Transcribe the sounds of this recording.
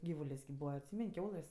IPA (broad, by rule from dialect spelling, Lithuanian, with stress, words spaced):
ˈɡʲiːʋʊlʲeːsʲ kʲɪp ˈbuːʋɐ ɐtʲˈsʲiːmʲɛnʲ ˈkʲɛʊlˠɘsʲ